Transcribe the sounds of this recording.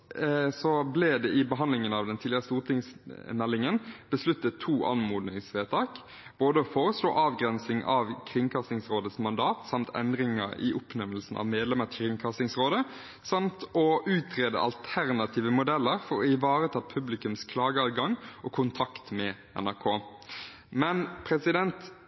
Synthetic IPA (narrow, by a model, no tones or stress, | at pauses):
sɔblɛːd̪ɛʔɪbəɦɑnd̪lɪŋənɑʋd̪ɛnt̪ʰiːlɪəʁəst̪uːʁt̪ɪŋsmɛlːɪŋənb̥əslʉt̪ːət̪ʰuːʔɑ̰nmuːd̪nɪŋsʋeːt̪ʰɑːk | b̥oːd̪əɔfoːʁəslo̰ːʔɑːʋɡʁɛnsɪŋʔɑʋkʰʁɪŋkʰɑsɪŋsʁoːd̪əsmɑnd̪ɑːt̪sɑmt̪ʰɛ̰nd̪ɾɪŋə̰ɾɪ̰ʔʊpnɛməlsn̩ʔɑ̰ʋmeːd̪lɛməkʰʁɪŋkʰɑsɪŋsʁoːd̪ə | sɑmt̪ɔʉːt̪ʰʁeːd̪ə̰ʔɑ̰lt̪ʰæʁnɑt̪ʰiːʋəmʊd̪ɛlːəʁfɔɾɔɪʋɑːʁət̪ʰɑːpʰʉblɪkʉmskʰlɑːɡəɑːʋ̪ɡɑŋʔɔkʰʊnt̪ʰɑkt̪mɛ | ɛ̰næʁkʰoː | mɛnpʰʁɛsɪd̪ɛnt̪